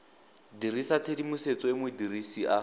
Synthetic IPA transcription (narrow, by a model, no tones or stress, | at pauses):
dirisat͡sʰedimʊset͡sɔɪmʊdirisiʔa